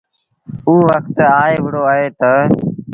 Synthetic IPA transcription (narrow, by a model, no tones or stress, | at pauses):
uːʋəkt̪aːeːʋəɽoːaːɦeːt̪ə